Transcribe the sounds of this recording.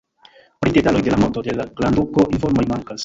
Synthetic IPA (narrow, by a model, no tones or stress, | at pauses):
pɾide̞talo̞jde̞lamo̞to̞de̞laɡlanduko̞ʔinfo̞ɾmo̞jmaŋkas